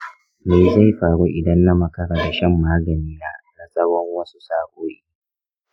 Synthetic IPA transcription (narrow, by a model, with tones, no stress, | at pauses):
meː˨za˦˨jɸaː˨ɽu˦ʔɪ˨dɐ˦nːa˦mɐ˦kɐ˦ɽaː˨da˨ʃɐ˦˨mːaː˦ɡɐ˨niː˦naː˦na˨sʼɐ˦wɔ˦ŋwɐ˦su˦saː˦kʷʼoː˦ʔiː˦˨˦